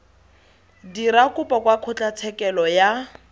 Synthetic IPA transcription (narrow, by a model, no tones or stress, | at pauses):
diɾakʊpʼɔkwakʰʊt͡ɬʼat͡sʰɛkɛlɔja